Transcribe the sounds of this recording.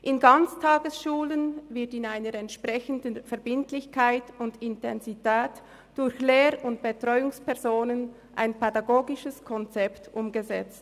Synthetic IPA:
ʔɪnɡɑnt͡stʰaːɡəsʃuːlənvɪɐtɪnaɪnəɾɛntʃpʁ̥ɛçəndənfɛɐbɪntlɪçkʰaɪtʊndɪntɛnzitɛːt | d̥ʊɾçleːɾʊntb̥etʁ̥ɔʏʊŋspɛɐzoːnən | ʔa̰ɪnpɛdɑɡoːɡɪʃəskʰɔnt͡sɛptʔʊmɡəzɛt͡st

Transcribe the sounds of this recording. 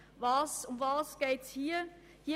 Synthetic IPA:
vɑːsʊmvɑːsɡ̥eːtshiːɐ | hiː

